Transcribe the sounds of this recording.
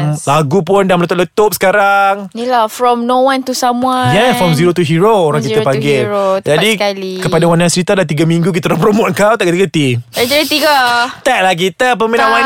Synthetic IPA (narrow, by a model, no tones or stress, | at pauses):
laɡupʊndamələt̪ʊt̚ʔlət̪ʊp̚sə̥kaɾaŋnilafɾɔmnowãnt̪usamwajɛfɾɔmziɾot̪uɦiɾooɾãŋkit̪apaŋɡɛd͡ʒadilkəpadawanãsɾit̪adlat̪̬iɡamĩŋɡuk̬it̪əlapɾomõt̪̚kawt̪aʔkət̪iɡət̪iad͡ʒaɾit̪iɡət̪aʔ̚lahk̬it̪əp̬əmĩnãwa